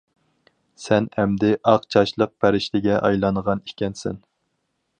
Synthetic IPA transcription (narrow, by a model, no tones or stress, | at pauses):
sɛnhɛmd̪ɪʔɑqt͡ʃʰɑʃlˠəq̚pʰæɾɪʃlɪɡʲɛʔɑjlˠɑnʁɑni̥kʲɛnsɛ̰n